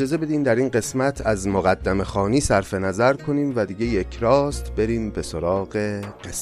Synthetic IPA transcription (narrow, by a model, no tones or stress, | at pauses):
d͡ʒɒːze̞be̞d̪iːmd̪æɾiːnɢe̞smæt̪ʰæzmoɣæd̪ːæme̞xɒːniːsæɾfe̞næzæɾkʰo̞niːmvæd̪iːɟe̞je̞cʰɾɒːst̪be̞ɾiːmbe̞so̞ɾɒːɣe̞ɢes